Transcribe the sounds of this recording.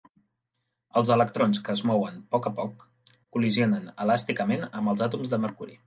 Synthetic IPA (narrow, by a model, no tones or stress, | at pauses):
əlˠzələk̚t̪ɾonskəːzmɔwənpɔkəpɔkː | ulizionənəlast̪ikəmenəmbəlˠzat̪umzðəməɾkuɾḭ